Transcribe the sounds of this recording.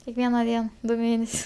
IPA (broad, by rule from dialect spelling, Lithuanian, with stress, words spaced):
kʲɛkˈʋʲiɛnɐ ˈdʲiɛn ˈdʊ ˈmʲeːnʲɛsʲʊs